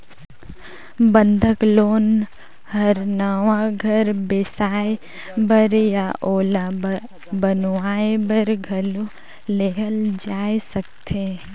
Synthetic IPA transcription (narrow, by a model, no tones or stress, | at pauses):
bə̃nd̪ʱəkloːn | hɐɾnaʋãɡʱɐɾbesaːe | bɐɾjaʔoːla | bənʋaːebəɾɡʱɐlo | leɦəld͡ʒaːesɐk̚t̪ʰe